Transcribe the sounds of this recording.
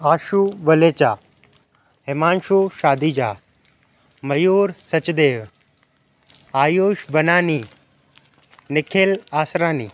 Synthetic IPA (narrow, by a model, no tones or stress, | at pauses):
aːʃuʋɐleːt͡ʃaː | ɦɪmaːnʃuːʃaːd̪iːd͡ʑaː | mɐjuːɾsɐt͡ʃd̪eːʋ | aːjoːʃbɐnaːniː | nɪkʰeːlaːsɾaːniː